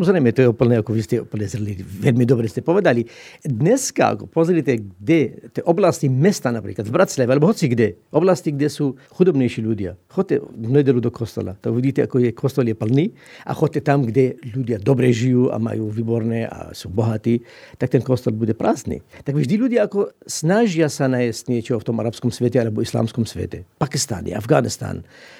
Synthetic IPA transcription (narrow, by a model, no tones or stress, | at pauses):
samɔzɾɛjmɛt̪ɔjɛupl̩nɛakɔʋistɛupl̩nɛzrliiʋɛlmid̪ɔbɾɛscɛpɔʋɛd̪alid̪ɲɛska̰a̰kɔpɔzɾit̪ɛɡdɛt̪ɛʔɔblascimɛst̪anapɾiːklad̪vbɾat̪slʲaʋɛalɛbɔɦɔt͡siɡdɛʔɔblasciɡdɛsuːxud̪ɔbɲɛjʃiːludɪa̰xɔc̚ʲtːɛ̰vnɛdɛlud̪ɔkʰɔst̪ɔ̰la̰t̪aɡuʋiɟiːt̪ɛa̰kɔjɛkɔst̪ɔljɛpl̩niː | ʔa̰xɔt̪ːɛt̪amɡdɛlud̪ʲɪjad̪ɔbɾɛʒijuːʔa̰ma̰juːʋiːbɔɾnɛːʔa̰suːbɔɦat̪iː | t̪ak̚t̪ɛnkɔst̪ɔlbuɟɛpɾaːznḭːt̪aɡvʒd̪iludɪjaakɔsnaʒjasanajɛstɲɛt͡ʃɔɦɔft̪ɔmʔaɾapskɔmsʋɛtɛalɛbɔisla̰ːmskɔmsʋɛ̰t̪ɛpakist̪a̰ːnjḭɛ̰ʔa̰vɡaːnist̪a̰ːn